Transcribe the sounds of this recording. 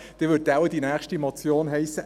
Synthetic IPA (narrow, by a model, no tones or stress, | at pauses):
d̥evʏɐt̚d̥aʊwəd̥inæːχʃtimot͡sjoːnɦɛɪsə